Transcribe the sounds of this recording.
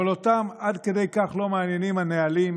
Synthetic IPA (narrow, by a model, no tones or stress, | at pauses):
elot̪amad̪ked̪ejkaχlo̞meanjenimanealim